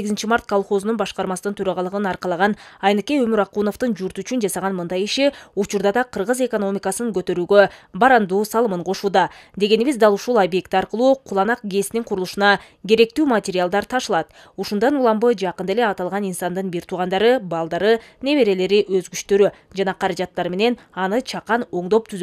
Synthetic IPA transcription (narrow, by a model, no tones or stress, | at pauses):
eɡizɪnt͡ʃimaɾt̪̚kʰolˠχo̞znunbɑʃqɑɾmɑsɯnɯnt̪ʰøɾɑʁɑlˠɯʁɯnɑɾqɑlˠɑʁɑnɑjnɯke̞jø̞myɾɑqunoft̪ɯnd͡ʒuɾt̪yt͡ʃynd͡ʒɑsɑʁɑnmɯnd̪ɑjiʃiut͡ʃuɾd̪ɑd̪ɑqʰɯɾʁɯze̞ko̞no̞mʲikɑsɯnɯŋɡøt̪ø̞ɾyːɡøbɑɾɑnd̪uːsɑlˠɯmɯɴqʰo̞ʃuːd̪ɑd̪e̞ɡe̞niβizd̪ɑlˠuʃulˠabje̞kt̪ɑɾqɯlˠuːqʰulˠɑnɑq̚ɡe̞sniŋqʰʊɾulˠuʃunɑ | ɡʲe̞ɾe̞k̚t̪yːmatʲeɾʲɪalˠd̪ɑɾt̪ʰɑʃɯlˠɑt̪̚ | uʃund̪ɑnulˠɑmbɯd͡ʒɑqɯnd̪ele̞ɑt̪ɑlˠʁɑninsɑnd̪ɯnbiɾt̪ʰuːʁɑnd̪ɑɾɯbɑlˠd̪ɑɾɯne̞βe̞ɾe̞le̞ɾiʔøzɡyt͡ʃt̪ø̞ɾy | d͡ʒɑnɑqʰɑɾɑd͡ʒɑt̪ːɑɾme̞ne̞n | ɑnɯt͡ʃʰɑqɑno̞ɴd̪o̞p̚t̪ʰyz